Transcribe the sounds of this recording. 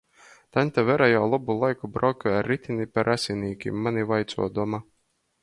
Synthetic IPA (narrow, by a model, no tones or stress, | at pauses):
t̪anʲt̪avɛɾajawlˠɔbulˠajkubɾawkʲuaɾːit̪ʲinʲipaɾʔasʲinʲiːkʲḭmːanʲivajt̪sṵɔd̪ɔma